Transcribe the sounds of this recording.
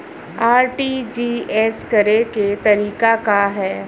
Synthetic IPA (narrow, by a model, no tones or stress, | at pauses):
aːɾʈiːd͡ʒiːɛskɐɾeket̪ɐɾiːkakaɦɛː